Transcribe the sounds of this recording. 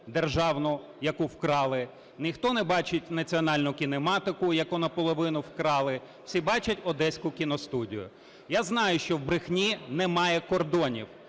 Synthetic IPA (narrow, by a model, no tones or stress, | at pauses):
d̪erʒɑwnʊ | jɐkuwkɾɑlˠɪ | nʲixt̪ɔnɛbɑt͡ʃɪtʲnɐt͡sʲiɔnɑlʲnʊkʲinemɑt̪ɪkʊjɐkunɐpɔlˠɔʋɪnʊwkɾɑlˠɪ | wsʲibɑt͡ʃɐtʲɔd̪ɛsʲkʊkʲinɔst̪udʲḭjʊ̰ | jaznɑjʊʃt͡ʃɔwbɾɪxnʲinɛmɑjɛkɔrd̪ɔnʲḭw